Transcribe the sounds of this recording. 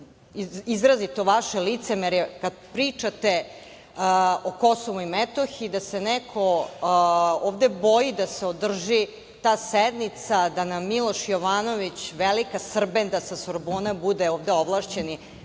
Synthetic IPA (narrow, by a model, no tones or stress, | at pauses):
izɾazit̪oʋaʃelit̪semeɾjekad̪̚pɾiːt͡ʂat̪e | oko̞soʋuimet̪oxiːd̪asenɛkʰo | oːʋd̪ebo̞jid̪aseod̪r̩ʒi | t̪aːsed̪nit̪sad̪anamːilˠo̞ʃjoʋaːno̞ʋit͡ɕʋelikasr̩bend̪asasoɾboːnabud̪eoːʋd̪eoʋlˠaʃt͡ɕeni